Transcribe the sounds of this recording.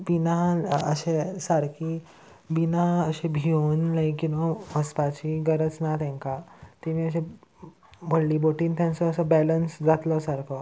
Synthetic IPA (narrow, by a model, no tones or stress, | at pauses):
binaəɕesaɾki | binaəɕẽbʱionlajkkːinõməspat͡ɕiɡəɾət͡snat̪ɛ̃ŋkat̪imiːəɕẽ | bʱəlliːboʈiːnt̪ʰɛ̃nt͡səəsəbɛlənsd͡zat̪lɔsaɾkɔ